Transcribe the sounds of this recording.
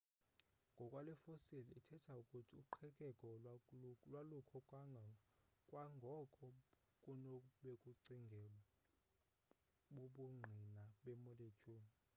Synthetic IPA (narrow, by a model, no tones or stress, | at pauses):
ŋɡʱɔkʼwalɛfosilitʰɛtʰaukʼutʰiuǃʰɛkʼɛkʼɔ | lwalukʰɔkʼa | kʼwaŋɡʱɔkʰʼɔ | kʼunoɓekʼuǀiŋɡʱɛ | ɓoɓuŋ͡ǀʱinaɓemɔlet͡ʃʰʼuːmi